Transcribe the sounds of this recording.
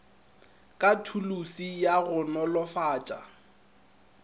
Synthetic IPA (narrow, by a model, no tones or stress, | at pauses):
kʼatʰulusijaɣʊnɔlɔfaːt͡ʃʼa̰